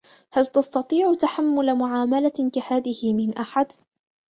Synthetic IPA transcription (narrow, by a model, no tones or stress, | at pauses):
halt̪ɑst̪ɑt̪ˤiːʕʊt̪aħamːʊlamʊʕaːmalakahaːðɪhɪmɪnʔaħad̪